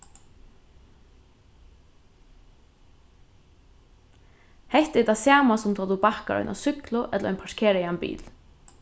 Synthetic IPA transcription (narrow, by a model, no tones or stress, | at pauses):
hɛht̪ɛt̪asaːmasʊmt̪ʰat̪upahka̰ʔɔ̰ʏna̰sʏklʊʔɛt̪lɾɔ̰ʏjnpʰaʂkʰɛːɾajanbḭːl